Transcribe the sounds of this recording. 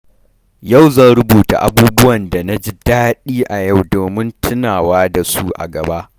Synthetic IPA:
ja˦˨wzɐ˦˨nɾʊ˦buː˨ta̰˨ʔa˦buː˦bʊ˦wɐ˨nda˨na˦d͡ʒi˦daː˦ɗiː˦ʔa˨ja˦˨wdoː˨mɪ˦ntʰʊ˦naː˨waː˦da˨su˦ʔa̰˨ɡɐ˨ba˦ʔ

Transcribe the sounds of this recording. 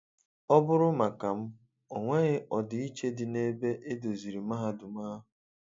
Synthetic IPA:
ɔ˦bʊ˦ɾʊ˦ma˨ka˨m̩˦ | o˨ŋʷe˦ɣɪ˦ʔɔ˨dɪ˨i˦t͡ʃe˦dɪ˨ne˦be˦ʔe˦do˨zi˨ɾi˨ma˦ɦa˦dʊ˨maː˦ɦʊ˨

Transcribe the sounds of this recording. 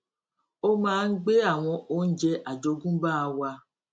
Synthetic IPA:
o˦mãː˦˧n̩˦ɡ͡be˦a˦˨w̃ɔ̃˧o˦n̩˦d͡ʒɛ˧ʔa˨d͡ʒo˧ɡũ˦ba˦a˧wa˧

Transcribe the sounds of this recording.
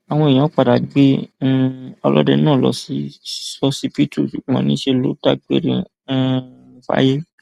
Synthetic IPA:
a˨w̃ɔ̃˧i˨j̃ã˨˦k͡pa˨da˨ɡ͡bẽ˦ | ɔ˧lɔ̰˦dɛ˧nãː˦˨lɔ̰˧˦si˦sɔ˦si˦fi˦tʰu˦˨ʃu˨˦ɡ͡bɔ̰̃˨˦nĩ˦ʃe˧lo̰˦ta˦ɡ͡be˦ɾḭ̃˧˦˧ | fa̰˨˦je˦

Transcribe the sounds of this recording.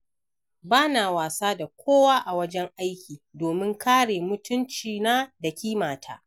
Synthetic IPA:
baː˦naː˨waː˨saː˦da˨kʷʰoː˦waː˦ʔa˨wɐ˦d͡ʒɛ˦ŋʔa˦jkʲiː˨doː˨mɪ˦ŋkʰaː˦ɽeː˨mʊ˦tʊ˦nt͡ʃiː˨naː˦da˨kʲiː˦maː˨tʰa̰ː˦

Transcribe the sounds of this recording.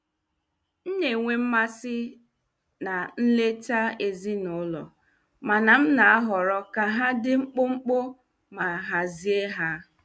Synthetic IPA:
n̩˦ne˨ŋʷe˦m̩˦ma˦sɪ˦ | na˨n̩˦le˦ta˦e˨zi˦nʊ˨˦lɔ̰˨ | ma˨na˨m̩˦na˨a˦ɦɔ˨ɾɔ˦ka˨ɦa˦dɪ˦ŋ͡m̩˦k͡pʊ˦ŋ͡m̩˦k͡pʊ˦ | ma˨ɦa˨zi˦e˦ɦa˦

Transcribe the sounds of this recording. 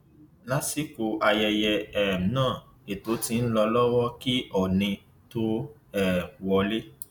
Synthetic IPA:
la˨˦si˨˦ko˨ʔa˧jɛ˧jɛ˧ɛ˨m̩˨˦nãː˦˨ | e˨to˨˦ti˧n̩˦lɔ˧lɔ˦wɔ˦ki˦ɔ˦˨nĩ˧ | to˦ | ɛ˦˨wɔ˧le˦

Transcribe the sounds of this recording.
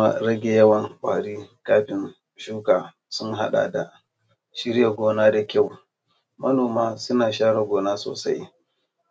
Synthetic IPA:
kma̰˦ɾɐ˦ɡʲe˨jɐ˦wɐ˦˨ŋkʷʼaː˨ɽiː˦kaː˦ɸɪ˨n | ʃuː˦kaː˨ | sʊ˦ŋɦa˦ɗa̰˨da˨ | ʃɪ˦ɽja˨ɡʷoː˦naː˦da˨kʲa˦˨w | mɐ˦noː˨maː˦sʊ˦naː˨ʃaː˦ɽa˨ɡʷoː˨naː˦so̰ː˨sa̰˦j

